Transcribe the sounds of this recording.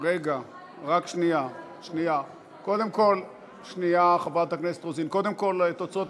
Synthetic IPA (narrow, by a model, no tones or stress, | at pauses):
ʁeɡa | ʁakʃnija | ʃnija | ko̞d̪e̞mko̞l | ʃnijaχabat̪hakneset̪ʁozinko̞d̪e̞mko̞let̪ot͡sot